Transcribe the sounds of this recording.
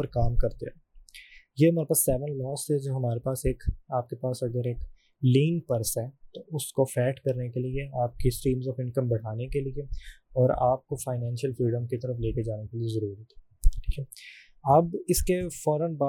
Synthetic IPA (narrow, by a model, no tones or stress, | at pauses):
əɾkaːmkɐɾt̪eɛ | jemeːɾpasːɛːʋə̃nɖlɔːsɛd͡ʒoːɦɐmaːɾepaːseːkaːp̚kepaːsɐɡəɾeːk | liːnpɐɾsɦɛːt̪oʊskofɛːʈkɐɾnekelieaːp̚kisʈĩːmzɔːfɪ̃nkə̃mbɐɽ̤aːnekelieɔːɾaːp̚kofaːɪnɛ̃ːnʃəlfɾiːɖə̃mkit̪ɐɾəfleːked͡ʒaːnekeliezɐɾuːɾit̪ɦɛ | i̥ːkʰɛ | ɐbɪskefɔːɾənbaː